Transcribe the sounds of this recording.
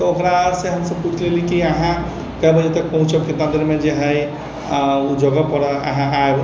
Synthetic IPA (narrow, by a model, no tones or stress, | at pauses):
t̪ɔokɾaɾseɦəmsəbput͡ʃʰlelikiaɦã | kabʱəd͡ʒet̪ək̚pəɦũt͡ʃəbket̪ə̃nt̪ɾəmẽd͡ʒeɦəj | ud͡ʒəɡəpəɽəə̰ɦãʔaeb